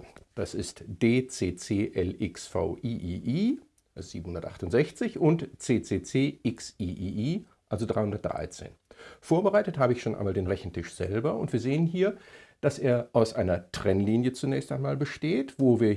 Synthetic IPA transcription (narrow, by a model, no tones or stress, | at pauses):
d̥asɪstd̥eːt͡seːt͡seːʔɛlɪksfa̰ʊʔiʔiʔiː | szḭːbm̩hʊndɐtʔa̰χtʊntz̥ɛçt͡sɪçʊntt͡seːt͡seːt͡seːʔɪksiːʔiːʔiː | ʔalzodʁa̰ɪhʊndɐt̚d̥ʁa̰ɪt͡sḛːnfoːɐbəʁaɪtəthaːbəɪçʃoːnʔa̰ɪmaːldeːnʁɛçn̩tɪʃz̥ɛ̰lbɐʊ̰ntv̥iːɐzeːənɦiːɐd̥asʔeːɐʔaʊsʔaɪnɐtʁ̥ɛnliːnjət͡sunɛːçstʔaɪnmaːlbəʃteːtv̥oːviːɐ